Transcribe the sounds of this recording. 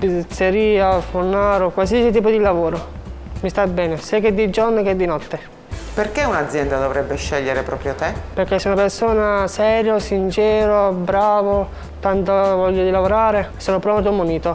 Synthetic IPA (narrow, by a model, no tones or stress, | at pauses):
pit̪seɾiːafurnaːɾokwas̬iːasit̪iːp̬od̪ilavoːɾo | mist̪abːɛːnesiaked̪ːid͡ʒɔrnoked̪ːinɔt̪ːe | perkeunad̪zjɛnd̪ad̪ovɾɛbːeʃːɛʎːeɾepɾɔːpɾjot̪eperkːesːeunapersoːnasɛːɾjosint͡ʃɛːɾobɾaːvo | t̪ant̪ovɔʎːod̪ilavoɾaːɾesoːnopɾɔmt̪omuniːt̪o